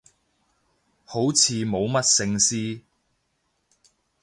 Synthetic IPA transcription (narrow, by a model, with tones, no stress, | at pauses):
ho˨˥wt͡sʰiː˨˧mo˨˧wmɐ˥t̚sɪ˥ŋsiː˥